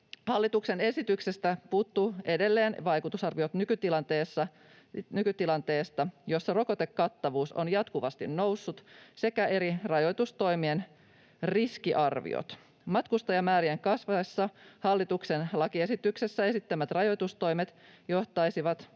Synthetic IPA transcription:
hɑlːit̪ukse̞ne̞sit̪yksest̪æpuːt̪ːue̞de̞lːe̞ːnʋɑjkut̪usɑrʋiot̪nykyt̪ilɑnt̪eːsːɑ | nykyt̪ilɑnt̪e̞ːst̪ɑjo̞sːɑro̞kot̪ekːɑt̪ːɑʋuːso̰njɑt̪kuʋɑst̪ḭnnowsːut̪se̞kæe̞ɾirɑjo̞jt̪ust̪o̞jmien | riskiʔɑrʋḭo̰t̪ | mɑt̪kust̪ɑjɑmæːɾieŋkɑsʋɑesːɑhɑlːit̪uksenlɑkie̞sit̪yksesːæe̞sit̪ːæmæt̪rɑjo̞t̪ust̪o̞jmet̪jo̞ht̪ɑisiʋɑt̪

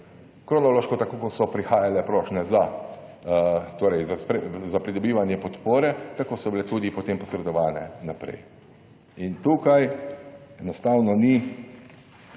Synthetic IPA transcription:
kɾɔnɔloːʃkɔt̪akoːkɔsɔpɾixaːjalɛpɾɔːʃnɛza | t̪oːɾɛjzaspɾezapɾid̪ɔbiːʋanjɛpɔt̪poːɾɛt̪akoːsɔbilɛt̪uːd̪ipɔt̪eːmpɔsɾɛd̪ɔʋaːnɛnapɾɛ̰j | int̪uːkaj | ɛnɔst̪awnɔni

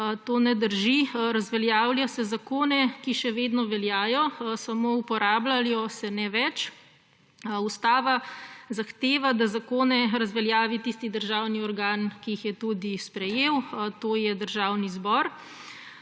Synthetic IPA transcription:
t̪oːnɛd̪əɾʒiɾazʋɛljaːwljasɛzakoːnɛkiʃɛʋeːd̪nɔʋɛljaːjɔsamoupɔɾaːblaljɔsɛnɛʋɛt͡ʃ | ust̪aːʋazaxt̪eːʋad̪azakoːnɛɾazʋɛljaːʋit̪ist̪id̪əɾʒaːwniɔɾɡaːnkiixjɛt̪ud̪ispɾɛjeːwt̪oːjɛd̪əɾʒaːwnizbɔɾ

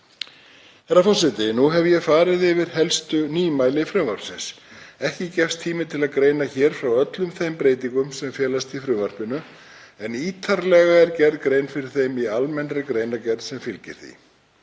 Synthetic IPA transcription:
ɛɾafɔsɪt̪ɪnuɦɛvjɛfaːɾɪðɪvɪɾ̥hɛlst̪ʏniːmaːjlɪfɾʏːvaɾ̥psɪns | ɛhcɪcɛfst̪ʰiːmɪt̪ʰɪlaðkɾeːjnaçɛːɾ̥fɾawœt̪lʏmθejmpɾeːjt̪iŋkʏmsɛmfjɛːlast̪ifɾʏːvar̥pɪnʏ | ɛniːt̪ʰaɾlɛɣaɛɾcɛɾðkɾeːjnfɪɾɪɾ̥θejmialmɛnɾɪkɾeːjnacɛɾðsɛmfɪlcɪ̰ɾ̥θḭ

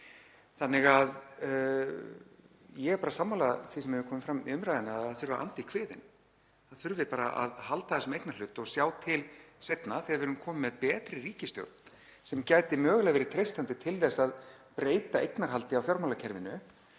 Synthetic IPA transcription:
θanːɪɣað | jɛɣpaːɾasamːalaθisɛmɛvʏkʰɔːmɪmfɾamiʏmɾajðɪnaaðaðθʏɾvaʔa̰nt̪ikʰvɪːðɪ̰n | aðθʏɾvɪpaːɾaʔa̰ðhalt̪aθɛsmejknal̥ʏt̪ːɔɣsjaːwt̪ʰɪlsejt̪naθɪɾvɪɾʏmkʰɔːmɪmːɛðpɛːt̪ɾɪriːcɪst̪jo̰wt̪n̥ | sɛmcaːjt̪ɪmœːɣlɛɣvɛːɾɪɾt̪ʰɾejst̪ant̪ɪt̪ʰɪlðɛsaðpɾeːjt̪aejknaɾ̥ɦalt̪ɪawfjɔɾmawlacʰɛɾvɪnʏ

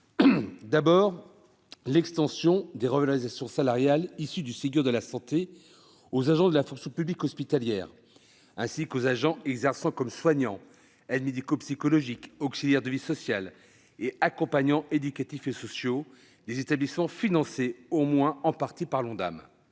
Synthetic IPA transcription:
d̪abɔːʁ | lɛkst̪ɑ̃sjɔ̃d̪eʁəvalɔʁizasjɔ̃salaʁjalisyd̪ysəɡʲyʁd̪əlasɑ̃t̪e | ozaʒɑ̃d̪əlafɔ̃ksjɔ̃pyblikɔspit̪aljɛːʁ | ɛ̃sikozaʒɑ̃ɛɡzɛʁsɑ̃kɔmswaɲɑ̃ | ɛd̪med̪ikopsikɔlɔʒikɔksiljɛʁd̪əvisɔsjal | eakɔ̃paɲɑ̃ʔed̪ykat̪ifesɔsjo | d̪ezet̪ablismɑ̃finɑ̃seomwɛ̃ɑ̃paʁt̪ipaʁlɔ̃d̪a̰m

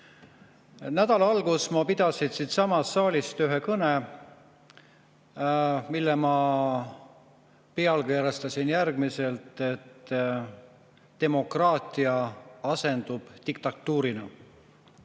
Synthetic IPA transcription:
næd̪̥ɑlɑɑlɡusmɑpid̪̥ɑsinsiːt̪sɑmɑsːɑːlʲist̪yɦe̞kɤne | milːemɑ | peɑlkeːɾɑst̪ɑsʲinjærɡ̥mise̞lt̪ːˑe̞t̪ː | e̞mo̞krɑːt̪ʲˑiɑɑse̞nd̪̥ub̥t̪ik̚t̪ɑt̪ːuːɾinɑ

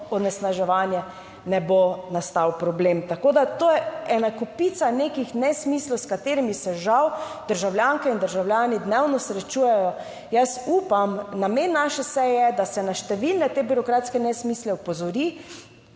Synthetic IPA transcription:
ɔnɛsnaʒɛʋaːnjɛ | nɛbonast̪awpɾɔbleːmt̪akoːd̪at̪oːjɛɛnakɔpit̪sanekixnɛsmislɔwskat̪eːɾimisɛʒawd̪̥əɾʒawlʲjaːŋkɛind̪əɾʒawlʲjaːnid̪nɛwnɔsɾɛt͡ʃujɛjɔ | jasuːpamnamenːaʃɛsɛjɛd̪asɛnaʃt̪ɛʋilnɛt̪ebiɾɔkɾaːt̪skɛnɛsmiːslɛɔpɔzɔɾi

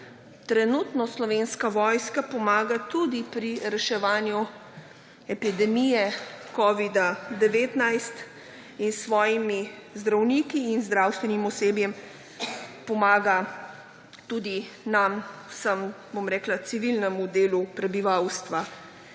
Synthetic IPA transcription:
t̪ɾɛnuːt̪nɔslɔʋenskaʋɔːjskapɔmaːɡat̪ud̪ipɾiɾɛʃɛʋaːnju | ɛpid̪ɛmijɛkɔːʋid̪ad̪ɛʋeːt̪najst̪ | insʋɔːjimizd̪ɾawnikiːnzd̪ɾawst̪ʋɛnimɔseːbjɛm | pɔmaːɡa | t̪ud̪i | namsəm | bomɾɛːklat̪siʋilnɛmud̪eːlupɾɛbiʋawst̪ʋa

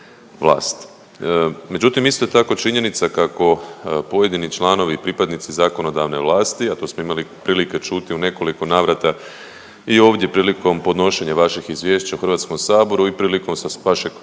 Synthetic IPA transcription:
ʋlˠa̰ːst̪ | me̞d͡ʒut̪imist̪o̞t̪ako̞t͡ʃiɲe̞nit̪sakako̞po̞je̞d̪init͡ʃlaːno̞ʋipɾipad̪nit̪sizakono̞d̪aʋne̞ʋlˠaːst̪iat̪o̞ːsmoimalipɾiːlike̞t͡ʃut̪iune̞ko̞liko̞naːʋɾat̪a | io̞ːʋd̪je̞pɾiːliko̞mpo̞d̪no̞ʃe̞ɲaʋaʃixizʋje̞ʃt͡ɕauxrʋat̪skomsaːbo̞ɾuipɾiːliko̞msʋaʃe̞ɡ

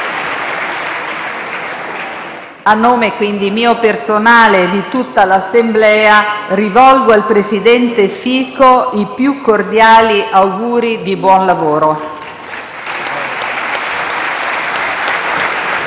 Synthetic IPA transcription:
anːoːmekwind̪imiːopersonaːled̪it̪ut̪ːalasːemblɛːarivɔlɡoalpɾesid̪ɛnt̪efiːkoipjukːord̪jaːliʔawɡuːɾid̪ibwɔnlavoːɾo

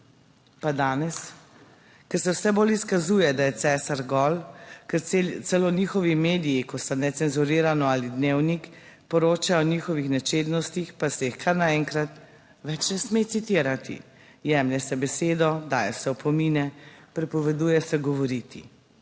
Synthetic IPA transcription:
pad̪aːnɛs | kɛɾsɛwsɛboːliskazuːjɛd̪ajɛt̪sɛːsaɾɡɔlkɛɾt̪sɛloniːxɔʋimeːd̪ijikɔst̪anɛsɛnzuɾiːɾanɔaːlid̪neːwnik | pɔɾoːt͡ʃajɔniːxɔʋixnɛt͡ʃeːd̪nɔst̪ixpasɛixkʰaɾnaɛŋkɾat̪ | ʋɛt͡ʃnɛsmet̪sit̪iːɾat̪ḭ | jɛmlʲɛsɛbɛseːd̪ɔd̪aːjɛsɛɔpʰɔmiːnɛpɾɛpɔʋɛd̪uːjɛsɛɡɔʋɔɾit̪ḭ

